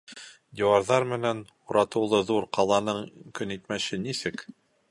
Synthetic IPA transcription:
d̪ʲiwɑɾðɑɾmɘ̆næn | uɾɑt̪ɤ̆wlˠɤðuɾqɑlˠɑnɤɴkɵ̆nit̪mæɕɘnisɘk

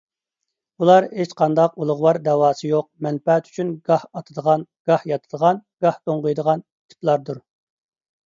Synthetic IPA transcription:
ulˠɑɾhet͡ʃqʰɑnd̪ɑqulˠʊʁwɑɾd̪ɛwɑːsɨjoq̚mɛnpɛt̪y̥t͡ʃʰynɡɑhɑt̪ʰɨd̪əʁɑnɡ̥ɑhjɑt̪ʰɨd̪əʁɑnɡ̥ɑht̪oɴʁʊjd̪əʁɑni̥t̪ʰɪ̥plˠɑɾd̪uɾ

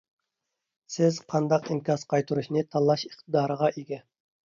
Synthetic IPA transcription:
sɪzqʰɑnd̪ɑqimkʲʰɑzqʰɑjt̪ʰuɾuʃnɨt̪ʰɑlˠːɑʃəχt̪əd̪ɑːɾəʁɑʔeɡʲɛ

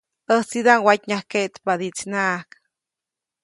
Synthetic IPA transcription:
əsid̪aŋwatɲahkeʔt̪pad̪it͡snaʔk

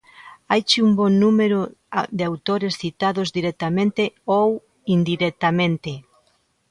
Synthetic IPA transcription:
ajt͡ʃiumbonːumeɾoðeawt̪oɾesθit̪aðozd̪iɾɛk̚t̪amẽnt̪eow | ind̪iɾek̚t̪amẽnt̪e

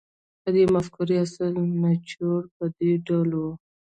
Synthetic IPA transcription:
ad̪emaskʊɾiasəlmat͡ʃoɾpəd̪eɖalo

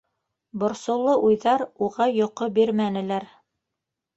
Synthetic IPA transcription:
bŏɾsŏwlˠɤʔujðɑɾuʁɑjŏqobiɾmænɘ̆læɾ

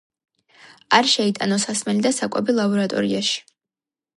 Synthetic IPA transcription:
arʃɛit̪ʼanosasmɛlid̪asakʷʼabilaboɾat̪ʼo̰ɾijaʃ

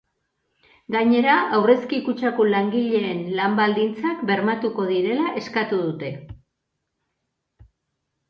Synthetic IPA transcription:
ɡaɲe̞ɾaawre̞skikut͡ʃakolaŋɡiʎe̞ːnlambald̪int͡sakbe̞ɾmat̪uko̞ðiɾe̞laʔe̞skat̪uðut̪e̞

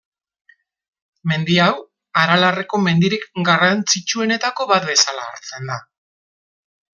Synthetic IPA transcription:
me̞nd̪iaw | aɾalareko̞me̞nd̪iɾikɡarant͡sit͡ʃue̞ne̞t̪ako̞βat̪̚be̞salaːɾt͡se̞nd̪a

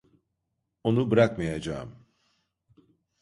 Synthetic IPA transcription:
onubiɾakmajad͡ʒa̰ːm

